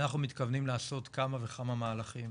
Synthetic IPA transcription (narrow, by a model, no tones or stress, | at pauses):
naχnumit̪kavnimlaːso̞t̪kamave̞kamamaːlaχim